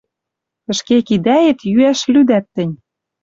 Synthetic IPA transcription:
ə̆ʃkekid̪æjĕt̪jyæʃlʲyd̪æt̪ːɘ̆nʲ

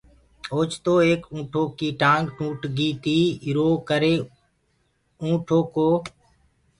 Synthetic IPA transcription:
oːt͡ʃt̪oːeːkũːʈʰoːkiːʈãːŋɡʈũːʈɡiːt̪iːɪɾoːkəɾeː | ũːʈʰoːkoː

